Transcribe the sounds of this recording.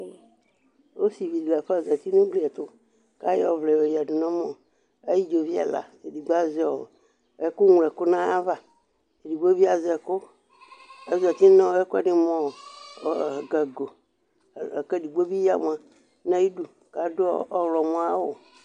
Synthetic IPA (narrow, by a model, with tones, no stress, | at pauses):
wo˦si˨vi˨da˨ɸɛ˦˨za˨t̪i˦nũ˦bli˦˨a˨t̪o˦ | ka˦jɔ˨vlɛ˨wo˨ja˨ɖu˨nɔ̃˦mɔ̃˨ | e˦ji˦d͡ʒo˨vi˦a̰˨la̰˨e˨di˨ɡ͡ba˦zɛ˦˨ | e˦ku˦ŋ˨lɛ˨kʊ˦nã˦a˦va˨ | e˨di˨ɡ͡bo˦vi˦a˨zɛ˨ko˦ | e˦za˨t̪i˦nã˦we˦ku˦a̰˦˨nĩ˦mɔ̃˦˨ | ɡa˨ɡo˨ | ke˦ɖi˨ɡ͡bo˦bi˦ja̰˦˨m˨ã˨ | nã˦ji˦ɖu˨ | ka˨do˦ɔ˦wlɔ˨mɔ̃˦a˦wo˨